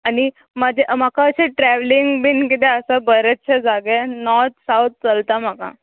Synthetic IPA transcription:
añi | məd͡ʑʱemakaəɕeʈɾæʋliŋɡbinkit̪eəsəbəɾet͡ɕʰəd͡zaɡenɔɾt̪ʰsawt̪̚t͡səlt̪am̤aka̰

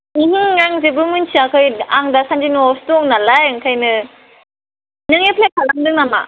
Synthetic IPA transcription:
iɦiŋːaŋzebɯmɯnsiakʰɯjaŋdasand͡ʒinuɔstoŋnalajɯŋkʰajnɯ | nɯŋepʰlek̚ʰalaŋdɯŋnama̰

